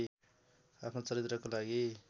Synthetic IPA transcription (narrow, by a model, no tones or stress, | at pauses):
apʰnot͡sʌɾit̪rʌkolaɡi